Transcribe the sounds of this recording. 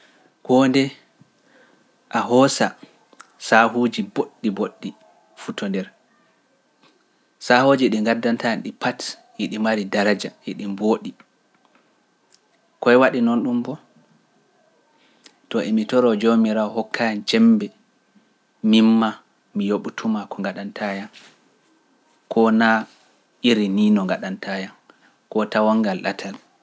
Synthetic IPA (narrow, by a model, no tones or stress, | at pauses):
kɔndɛ | ʔaɦɔsa | saɦud͡ʒiboɗːiboɗːi | futʰɔndɛɾ | sahod͡ʒiɗiŋɡadːantanɗipat | jiɗimaɾidaɾad͡ʒaiɗimboːɗi | kɔɛwaɗinɔnɗumbɔ | tɔʔimitɔɾɔd͡ʒomiɾaɔhɔkːajant͡ʃɛmbɛ | mimːa | mijoɓutʰumakʰɔŋɡaɗantʰajan | kʰɔna | ʔiɾiniːnɔŋɡaɗantajan | kɔtawaŋɡalɗa̰tʰal